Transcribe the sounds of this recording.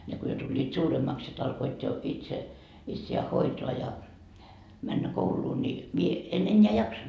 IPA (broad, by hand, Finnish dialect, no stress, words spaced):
ne ko jo tulʲːiːt suːremːɑks sit ɑlkoit jo itse itsiæː hoitoɑ jɑ mænːæ kouluː ni mie en enːeæ jɑksond̥